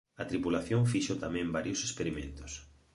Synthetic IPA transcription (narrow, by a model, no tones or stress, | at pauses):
ɐt̪ɾipulaθjõŋfiʃot̪amɛ̃mbaɾjosespeɾimḛ̃nt̪o̥s